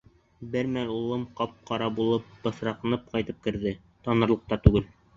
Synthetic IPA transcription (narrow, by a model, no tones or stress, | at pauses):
bɘɾmælulˠɤmqɑp̚qɑɾɑbulˠɤp̚b̥ɤ̆θɾɑq̆nɤp̚qɑjt̪ɤp̚kɘ̆ɾðɘ | t̪ɑnɤ̆ɾlˠɤ̆q̚t̪ɑt̪ʉɡɘl